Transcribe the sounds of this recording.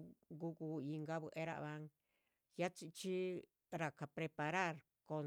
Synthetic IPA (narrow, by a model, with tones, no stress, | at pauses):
ɡu˦ku˧i˧ŋɡa˦βɨ˧ʔe˦ɾa̰˧ʔβa˦ŋ | ja˦t͡ʃi˧t͡ʃi˦ | ɾa˨ka˨pɾe˧pa˧ɾa˦˨ɾ | ko˧